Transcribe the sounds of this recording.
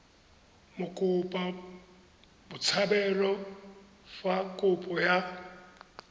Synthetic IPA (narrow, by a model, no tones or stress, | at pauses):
mʊkʼʊpʼa | bʊt͡sʰabɛlɔ | fakʼʊpʼɔja